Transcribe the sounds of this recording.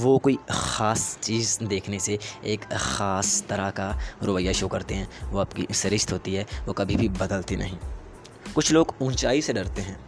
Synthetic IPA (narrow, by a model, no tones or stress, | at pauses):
ʋoːkoːixaːst͡ʃiːzd̪eːkʰneseeːkxaːst̪ɐɾakaɾʊpəjaʃokɐɾt̪eɦɛ̃ːʋoɐpkḭsɪɾɪʃt̪ɦoːt̪iɦɛːʋoːkɐbʱibʱibɐd̪əlt̪inʔɐ̰ɦĩː | kʊt͡ʃʰloːɡũːnt͡ʃaːiseɖɐɾt̪eɦɛ̃ː